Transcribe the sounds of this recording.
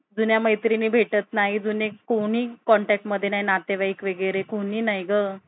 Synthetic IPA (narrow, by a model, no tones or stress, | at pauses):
d͡zunjaməjt̪ɾiniːbʱeʈət̪naɦid͡zunekoɽ̃iːkɔɳʈɛk̚ʈməd̪ʱjenaɦinat̪eʋaikʋeɡjɾekoɽiːnajɡə